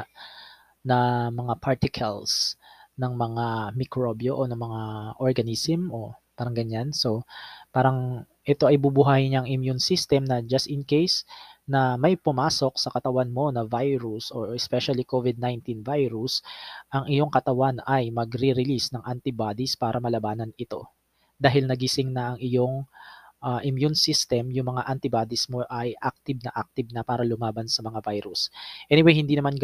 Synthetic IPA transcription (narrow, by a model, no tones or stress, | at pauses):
nɐmɐŋapaɹt̪ɪkʰɐlsnɐŋmɐŋamɪkɾobjo̞ʔonɐŋmɐŋaʔoɹɡɐnisɛmopaːɾɐŋɡɐɲanso̞paːɾɐŋ | ʔɛt̪o̞ʔɐjbubʊɦaːjɪɲaŋʔɪmjunsist̪ɛmnɐd͡ʒɐst̪ɪnkejsnɐmɐjpʊmaːso̞k̚sɐkɐt̪ɐwanmo̞nɐvajɾusoɹɛspɛʃɐlikovɪd̪̚najnt̪invajɾusʔɐŋʔɪjo̞ŋkɐt̪ɐwanɐjmɐɡɾiɾɪlisnɐŋʔant̪ɪbad̪ispaːɾʔɐmɐlɐbaːnɐnɪt̪o̞̰ | d̪aːɦɪlnɐɡɪsɪŋnɐʔɐŋʔɪjo̞ŋʔaʔɪmjunsist̪ɛmjʊŋmɐŋaʔɐnt̪ɪbaːd̪ɪsmo̞ʔɐjʔak̚t̪ɪb̚nɐʔak̚t̪ɪbnɐpaːɾɐlʊmaːbɐnsɐmɐŋavajɾusʔɛnɪwejhɪnd̪iːnɐman